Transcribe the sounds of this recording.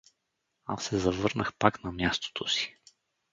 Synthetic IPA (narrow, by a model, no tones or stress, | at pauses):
a̰sːɛzɐvɤɾnəxpaknɐmjast̪o̥t̪ʰosi̥